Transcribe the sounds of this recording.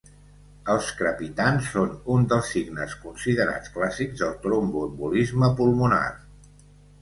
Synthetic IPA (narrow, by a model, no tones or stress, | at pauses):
əlˠskɾəpit̪ansːonund̪əlˠsːiɡnəskunsiðəɾa̰t͡sklasiɡzðəlˠt̪ɾombumbulizməpulˠmuna̰r